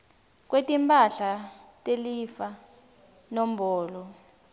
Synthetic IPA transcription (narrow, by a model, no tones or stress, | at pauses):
k̬wetʼimpʰʼaɬatʼelifa | nɔm̩bɔːlɔ